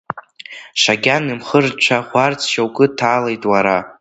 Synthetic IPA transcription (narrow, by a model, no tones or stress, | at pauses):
ʂaɡʲanɨmχərt͡ʃʷʰaχʷart͡sʰʃawkʼɨtʰaːlejtʼwaɾa